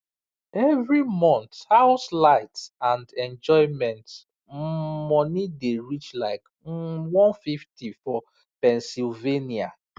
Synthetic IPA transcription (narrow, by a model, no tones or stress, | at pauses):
ɛvɹimɔ̃nt̪haʊslaɪtsãndɛ̃nd͡ʒɔɪmɛ̃nt | mɔnideɹit͡ʃlaɪk | wɔ̃nfiftifɔ | pɛ̃nsilvenia̰